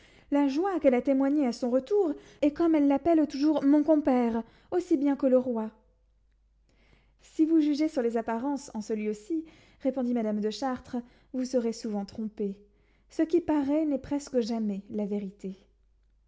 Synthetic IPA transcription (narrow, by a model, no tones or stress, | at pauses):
laʒwakɛlat̪emwaɲeasɔ̃ʁət̪uʁ | ɛkɔmɛlːapɛlt̪uʒuʁmɔ̃kɔ̃pɛʁ | osibjɛ̃kələʁwa | sivuʒyʒesyʁlezapaʁɑ̃sɑ̃səlɥiosi | ʁepɔ̃d̪imad̪amd̪əʃaʁt̪χə | vusəʁesuvɑ̃t̪χɔ̃pe | səkʲipaʁɛnɛpχɛskəʒamɛlaveʁit̪e